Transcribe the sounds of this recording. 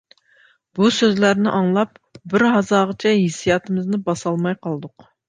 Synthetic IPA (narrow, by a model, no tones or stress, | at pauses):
b̥usøzlæɾnɪʔɑŋlˠɑp̚ | bɪɾɦɑzɑːʁət͡ʃʰɛɦisijɑːt̪ʰɨmɪznɪbɑsɑlˠmɑjqʰɑlˠɨd̪ʊq